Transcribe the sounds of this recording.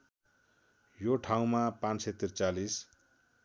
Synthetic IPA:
joʈʰaw̃mapãnet̪ːirt͡salis

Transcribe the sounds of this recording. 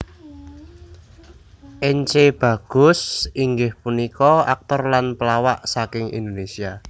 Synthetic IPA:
ʔeɲt͡ʃeb̥ä̤ɡ̥ʊ̤siŋɡɪhpunikɔa̰k̚t̪ɔrlanpəlawaʔsakɪŋḭnd̪onesia

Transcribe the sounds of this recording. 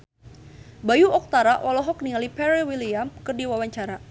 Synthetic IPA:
bajuɔk̚t̪aɾawʔalɔɦɔk̚niŋalipɛɾiwiliamkɨrdiwawaɲt͡ʃaɾa

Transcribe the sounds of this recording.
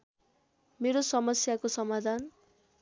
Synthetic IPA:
meɾosʌmʌsjakosʌmad̪ʱan

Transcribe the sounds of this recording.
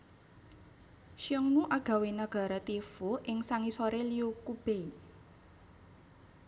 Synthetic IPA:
ʃiɔŋnuʔaɡ̥a̤wenaɡ̥a̤ɾat̪ifuʔɪŋsaŋisoɾeliukub̥ei

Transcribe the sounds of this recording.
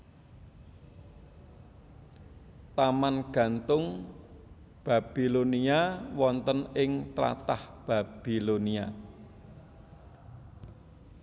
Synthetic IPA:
t̪amanɡ̥ä̤nt̪ʊŋ | b̥a̤b̥i̤loniawɔnt̪ənɪŋt̪ɾa̰t̪ahb̥a̤b̥i̤lonia

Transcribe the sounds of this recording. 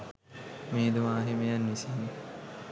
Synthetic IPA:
meːd̪umaːɦimejanːisinːi

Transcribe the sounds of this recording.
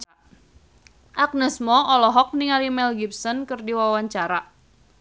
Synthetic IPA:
ʔak̚nəsmɔɔlɔɦɔk̚niŋalimɛlɡip̚sɔnkɨrdiwawaɲt͡ʃaɾa

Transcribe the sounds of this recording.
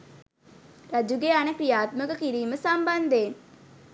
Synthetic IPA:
rad͡ʒuɡeanəkɾijaːt̪məkəkiɾiːməsamband̪eːn

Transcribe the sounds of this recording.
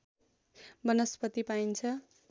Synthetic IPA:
bʌnʌspʌt̪ipaint͡sʰʌ

